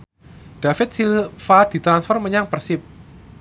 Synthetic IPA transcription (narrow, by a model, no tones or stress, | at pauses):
d̥afɪt̪̚silfad̪̥i̤t̪ɾansfərməɲaŋpərsɪp̚